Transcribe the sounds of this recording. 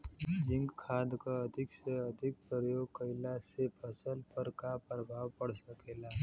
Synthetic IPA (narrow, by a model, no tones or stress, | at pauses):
d͡ʒɪ̃ŋɡkʰaːd̪kaɐd̪ʱɪkseɐd̪ʱɪk̚pɾəɾjoːɡ̚kəɪlasepʰəsəlpəɾkapɾəbʱaːwpəɽ̤səkeːlaː